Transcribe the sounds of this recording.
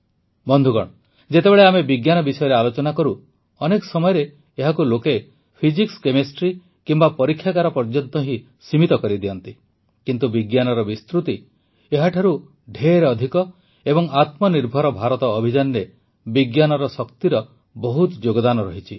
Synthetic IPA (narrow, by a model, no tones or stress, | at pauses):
bɔnd̪ʱuɡɔɽ̃ | d͡ʒet̪ebeɭeamebiɡjanɔbisɔjɔɾealot͡ʃɔnakɔɾu | ɔnekɔ̥sɔmɔjɔɾe | eɦakuloke | pʰid͡ʒikskemesʈɾi | kimbapɔɾikʰjakaɾɔpɔɾd͡ʒɔnt̪ɔɦi | simit̪ɔkɔɾid̪iɔnt̪i | kint̪ubiɡjanɔɾɔbist̪ɾut̪i | eɦaʈʰaɾu | ɖʱeɾɔd̪ʱikɔ | ebɔŋat̪mɔniɾbʱɔɾɔbʱaɾɔt̪ɔːbʱid͡ʒanɾe | biɡjanɔɾɔsɔkt̪iɾɔ | bɔɦut̪d͡ʒoɡɔd̪anɔɾɔɦit͡ʃʰi